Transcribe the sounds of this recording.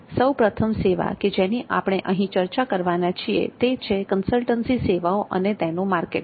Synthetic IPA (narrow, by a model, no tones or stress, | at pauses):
səwpɾət̪ʰəmseʋa̰ked͡ʒeniʔa̰pəɽ̃eʔəɦĩt͡ʃəɾt͡ʃakəɾʋanat͡ʃʰiḛt̪et͡ʃʰekənsəlʈənsiseʋaoʔə̰net̪enũmaɾkḛʈ